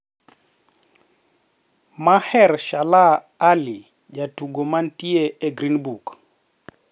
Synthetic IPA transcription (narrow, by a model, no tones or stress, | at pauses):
mahɛɾʃalaː | li | d͡ʒatuɡomantieeɡɾinbuk